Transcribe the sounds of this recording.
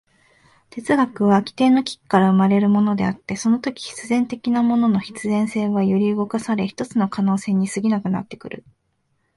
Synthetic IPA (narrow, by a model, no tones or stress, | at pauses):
t̪e̞t͡sɨɡakɯ̟βakʲi̥t̪e̞ːno̞kʲi̥kkːaɾaɯ̟maɾe̞ɾɯ̟mo̞no̞d̪e̞at̪ːe̞so̞no̞t̪o̞kʲi̥çi̥t͡sɨzẽ̞nt̪e̞kʲinamo̞no̞no̞çi̥t͡sɨzẽɰ̃se̞ːβajɯɾʲiɯɡo̞kasaɾe̞çi̥t̪o̞t͡sɨno̞kano̞ːse̞ːɲ̟isɨɡʲinakɯ̟na̰t̪ːe̞̥kɯ̟ɾɯ̟̰